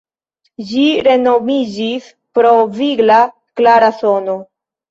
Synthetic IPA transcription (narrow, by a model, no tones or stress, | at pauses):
d͡ʒiɾe̞no̞mid͡ʒis | pɾo̞viɡla | klaɾaso̞no